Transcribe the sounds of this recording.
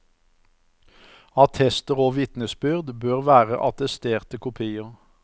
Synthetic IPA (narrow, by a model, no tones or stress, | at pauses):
ɑt̪ʰɛst̪əʁoːʋɪt̪nəsbʏʁd̪bøːʁʋæːʁə̰ʔɑt̪əst̪eːʁt̪əkʰʊpʰiːʊ